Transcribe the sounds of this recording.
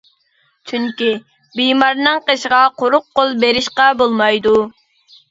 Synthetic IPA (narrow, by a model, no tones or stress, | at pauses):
t͡ʃʰyŋkʲi | bijmɑɾnɨŋqeʃʁɑqʰoɾʊqːolˠbeɾɪʃqɑbolˠmɑjd̪u